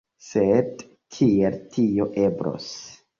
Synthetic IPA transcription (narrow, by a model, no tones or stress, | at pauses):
sed | tʰieltʰio̞ʔebɾo̰s